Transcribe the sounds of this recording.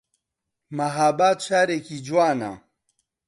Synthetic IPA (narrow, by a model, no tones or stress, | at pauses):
mɐɦaːbaːt̪ʃaːɾekid͡ʒwaːna̰